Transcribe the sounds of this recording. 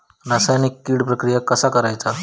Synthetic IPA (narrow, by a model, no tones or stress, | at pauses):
ɾasajnikːiːɽpɾəkɾijakəsakəɾajt͡sa